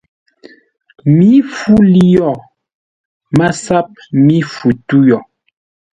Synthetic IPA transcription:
mi˨˦fu˦li˦jɔ˦˨ | ma˦sa˦p̚mi˦fu˨tu˦jɔ˨

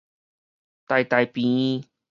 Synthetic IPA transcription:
t̪a˨˩jt̪a˨jpĩ˨˦

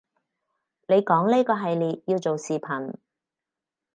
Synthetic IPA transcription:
ne˨˧jkɔː˨˥ŋliː˥kɔː˧ɦɐ˨jliː˨t̚jiː˧wt͡so˨wsiː˨pʰɐ˨˩n

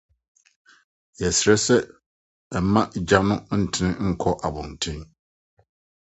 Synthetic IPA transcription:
jɛ˨sɪ˨ɾɛ˦sɛ˦˨˦ | ma˦d͡ʒa˦nʊ̃˦n̩˦˨tʰɪ˨nɪ˦ŋ̩˦kʰɔ˦ʔa˨bʊ̃˨n˨tʰɪ̃˦n

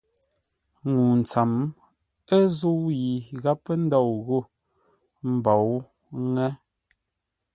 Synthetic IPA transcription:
ŋu˨n̩˨t͡sa˨m | ə˦zu˦wji˨ɣa˦pə˦n̩˦dɔ˦˨wɣo˦˨ | m̩˨bɔ˨w | ŋɛ˦

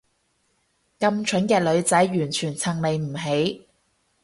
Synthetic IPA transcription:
kɐ˧mt͡ʃʰɵ˨˥nkɛː˧lɵ˨˧ɥt͡sɐ˨˥jjyː˨˩nt͡ʃʰyː˨˩nt͡sʰɐ˨˩ŋle˨jm̩˨˩ɦe˨˥j

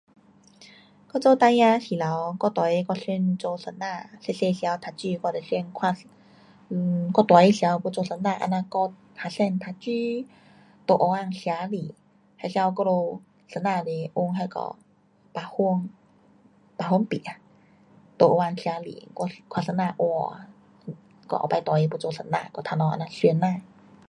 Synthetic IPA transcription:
kɔ˥˧t͡so˧t̪a˧jã˧ɕi˨˩la˨˦wkɔ˥˧t̪wa˨˩e˧kɔ˧ɕi˧nt͡so˧sə˧˩nːa˧se˧se˧ɕja˧˦wt̪ʰa˨˧t͡ɕy˧kɔ˧le˨˩si˧nkʰwa˧ | kɔ˥˧t̪wa˨˦e˧˩ja˧wkɔ˧t͡so˧sə˧˩nã˧˨ʔa̰˧nã˧kɔ˥˧t̪ʰa˧˩sɛ˥˧nt̪ʰa˧t͡ɕy˧˦ | t̪o˨˩ʔo˧˩wa˧ŋɕja˧li˨ | ha˧˨sja˧wkɔ˧lo˧ | sə˧nã˧˨le˨˩ʔu˧ŋɦa˧jkɔ̰˧ | pa˧hu˧əŋ | pa˨˧ɦu˧ə˨ŋpḭ˨ʔa˧ | t̪o˧ʔo˧a˧˩ŋɕja˧˦lḭ˨kɔ˧kʰwa˧˨sə˧˦nːã˧˨ʔwɔ˧ | kɔ̰˧ʔɔ̰˨˩pa˧˦jt̪wa˨i˧pu˧t͡so˧sə˧˨na̰˧˨kɔ˧t̪ʰa˧˨nɔ̃˧ʔa̰˧nã˧swnːã˧˨

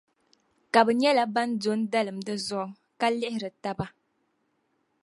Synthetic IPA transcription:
ka˨bɨ˨ɲɛ˦la˦ba˦ndo˦n˦da˦lɨ˨mdɨ˦zɔ˦ʔ | ka˦lɪ˦hɪ˦ɾɨ˨ta˦ba˦

